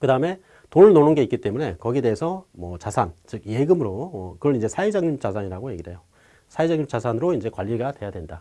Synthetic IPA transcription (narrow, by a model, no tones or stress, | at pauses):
kɯdaɯme̞ | toɾɯɭnonɯnɡeik͈it͈e̞mune̞kʌɡide̞ːsʰʌmwʌ̰t͡ɕasʰant͡ɕɯk̚je̞ɡɯmɯɾomʌkɯɾʌɾind͡ʑe̞sʰaid͡ʑaŋɲut͡ɕ͈asʰaɲiɾaɡoje̞ɡiɾɦe̞jo | sʰaed͡ʑaŋɲut͡ɕ͈asʰanɯɾoind͡ʑe̞kwaʎːiɡadwe̞jadwe̞nda